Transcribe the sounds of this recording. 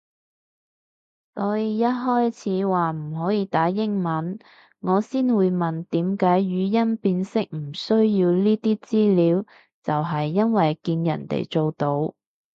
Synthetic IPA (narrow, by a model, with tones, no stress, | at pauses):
sɔː˨˥ji˨˧jɐ˥t̚ɦɔː˥jt͡sʰiː˨˥waː˨m̩˨˩ɦɔː˨˥jiː˧t̪aː˨˥jɪ˥ŋmɐ˨˥n | ŋɔː˨˧siː˥nwuː˨˧jmɐ˨˩nt̪iː˨˥mkaː˨˥jjyː˨˧jɐ˥npiː˧nsɪ˥k̚m̩˨˩sɵ˥ɥjiː˧wliː˥t̪iː˥t͡siː˥liː˨˥w | t͡sɐ˨wɦɐ˨jːɐ˥nwɐ˨jkiː˧njɐ̰˨˩nt̪ḛ˨jt͡so˨wt̪o˧˥w